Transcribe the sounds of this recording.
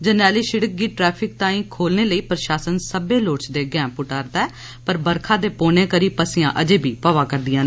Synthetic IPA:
d͡ʒənɛːliːʃɪɽək̚ɡiːʈɾɛːpʰɪk̚t̪ãːĩːkʰoːlneːləiːpɾəʃaːsənsəbeːloːt͡ʃd̪eːɡɛ̃ːpʊʈaːɾd̪aːɛː | pəɾbəɾkʰãːd̪eːpoːneːkəɾiːpəsɪjãːʔəd͡ʒeːbʱiːpəʋaːkəɾd̪ɪjãːn

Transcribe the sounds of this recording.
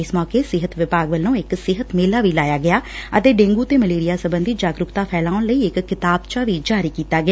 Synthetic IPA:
ɪsmɔːkeːsɪɦət̪ʋɪpaːɡʋəlːõːɪksɪɦət̪meːlaːʋiːlaːjaːɡɪjaːət̪eːɖẽːŋɡuːt̪eːməleːɾɪjaːsəbənd̪iːd͡ʒaːɡɾʊkt̪aːpʰɛːlaːʊnləiːɪkːɪt̪aːbt͡ʃaːʋiːd͡ʒaːɾiːkiːt̪aːɡɪaː

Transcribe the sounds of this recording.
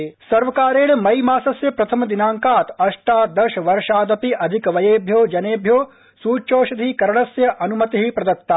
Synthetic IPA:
sɐɾʋɐkaːɾeːɭmɐjmaːsɐsjɐpɾɐt̪ʰɐmɐd̪inaːŋkaːt̪ɐʂʈaːd̪ɐʃʋɐɾʂaːd̪ɐpiʔɐd̪ʱikʋɐjeːbʱjoːd͡ʒɐneːbʱjoː | suːt͡ʃoːʃɐd̪ʱikɐɾɐɳɐsjɐʔɐnumɐt̪iɦipɾɐd̪ɐt̪ːaː

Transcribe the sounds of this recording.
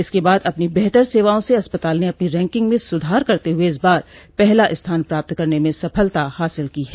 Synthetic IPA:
ɪskebaːd̪ɐpnibɛːt̪əɾseːʋaːõseɐspət̪aːlneɐpniɾɛ̃ːŋkɪ̃ŋɡmẽsʊd̪ʱaːɾkɐɾt̪eɦʊeɪs̬baːɾpɛɦlaʔɪst̪ʰaːnpɾaːp̚t̪kɐɾnemẽsɐpʰəlt̪ahaːsɪlkiɦɛː

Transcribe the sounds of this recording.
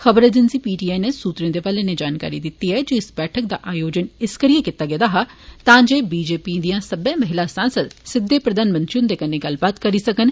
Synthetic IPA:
xəbəɾeːd͡ʒ̪ənsiːpiːʈiːaːineːsuːt̪ɾẽːd̪eːʋaːleːneːd͡ʒaːnka̰ːɾḭːd̪ɪt̪ːiːɦɛːd͡ʒiɪsbɛːʈʰək̚d̪aːʔaːjoːd͡ʒənɪskəɾijeːkɪt̪ːaːɡeːd̪aːɦaːt̪ãːd͡ʒeːbiːd͡ʒeːpiːd̪ijãːsəbɛ̃ːməɦɪlaːsãːnsəd̪sɪd̪ːeːpɾəd̪aːnmə̃nt̪ɾiʊ̃nd̪eːkəneːɡɐlbaːt̪kəɾiːsəkən

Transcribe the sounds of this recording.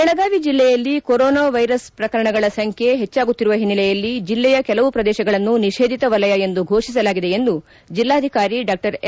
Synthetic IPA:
ɛɭɐɡaːʋid͡ʒilːɛjɐlːikoɾɔːnaːʋɐjɾɐspɾɐkɐɾɐɳɐɡɐɭɐsɐŋkʰe̞ɦet͡ʃːaːɡut̪ːiɾuʋɐɦinːilɛjɐlːid͡ʒilːɛjɐkɛlɐʋupɾɐd̪ɛːʃɐɡɐɭɐnːuniʃeːd̪ʱit̪ɐʋɐlɐjɐe̞nd̪uɡʱo̞ːʂis̬ɐlaːɡid̪e̞end̪u | d͡ʒilːaːd̪ʱikaːɾiɖaːk̚ʈɐɾ

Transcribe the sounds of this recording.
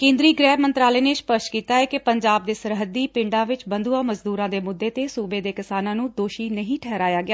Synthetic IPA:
kẽːnd̪ɾiːɡɾɛːmənt̪ɾaːleːneːspəsʈkiːt̪aːɛːkɪpəɲd͡ʒaːb̚d̪eːsəɾɦəd̪iːpɪ̃ɳɖãːʋɪt͡ʃbənd̪uːãːməzd̪uːɾãːd̪eːmʊd̪ːeːt̪eːsuːbeːd̪eːkɪsaːnãːnũːd̪oːʃiːnəɦĩːʈʰɛːɾaːjaːɡɪjaː

